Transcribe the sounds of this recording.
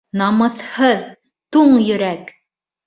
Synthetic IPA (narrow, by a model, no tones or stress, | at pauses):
nɑmɤ̆θhɤð | t̪uɴjɵ̆ɾæk